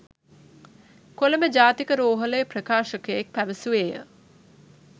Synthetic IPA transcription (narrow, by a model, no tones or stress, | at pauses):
koləməd͡ʒaːt̪ikəɾoːɦələjəprəkaːʃəkəjek̚pæʋəsuʋeːjə̰